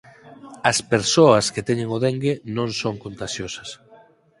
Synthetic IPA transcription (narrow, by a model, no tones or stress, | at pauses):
ɐspeɾsoɐsket̪ɛɲeŋoðeŋɡenõŋsoŋkont̪aʃjosɐs